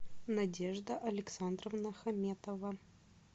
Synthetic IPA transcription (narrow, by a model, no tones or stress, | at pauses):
nɐdʲeʐd̪əʔɐlʲɪksand̪rəvnəxɐmʲet̪əvə